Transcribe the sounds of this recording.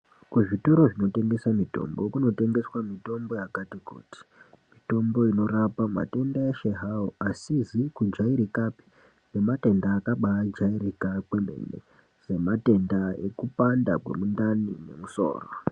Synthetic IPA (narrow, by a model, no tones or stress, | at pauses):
kuʐito̞ɾo̞ʐino̞te̞ŋɡe̞samito̞̰mbo̞kuno̞te̞ŋɡe̞swamito̞mbo̞jakatikṵːti̥ | mito̞mbo̞ino̞ɾapama̰te̞ndaeʃeɦaoʔasizikud͡ʒaiɾikapi̥ | ne̞mate̞ndaːkaɓaad͡ʒairikakweme̞̰nḛ | z̥e̞mate̞ndae̞kupanda̰kwe̞̰mundanḭne̞̰muso̞̰ːro̰